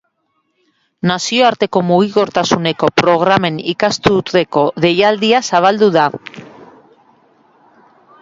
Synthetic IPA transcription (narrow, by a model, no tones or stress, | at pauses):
nasioaɾt̪e̞ko̞moɣiɣo̞ɾt̪asune̞ko̞pɾo̞ɣ̞ɾame̞nikast̪ut̪eko̞ðe̞jald̪iasaβ̞ald̪uða